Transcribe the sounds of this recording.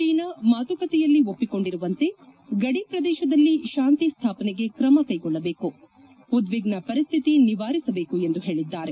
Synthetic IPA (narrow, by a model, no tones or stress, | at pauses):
t͡ʃiːnɐmaːt̪ukɐt̪ɛjɐlːio̞pːiko̞ɳɖiɾuʋɐnt̪e̞ɡɐɽipɾɐd̪ɛːʃɐd̪ɐlːiʃaːnt̪ist̪ʰaːpɐnɛɡe̞kɾɐmɐkɐjɡɔɭːɐbe̞ːku | ud̪ʋiɡnɐpɐɾist̪ʰit̪iniʋaːɾisɐbe̞ːkue̞nd̪uɦe̞ːɭid̪ːaːɾe̞